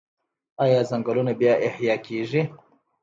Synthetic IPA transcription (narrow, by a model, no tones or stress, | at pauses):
aːjɑːzaŋɡalunabjɑʔɪhjɑːkʰeʐi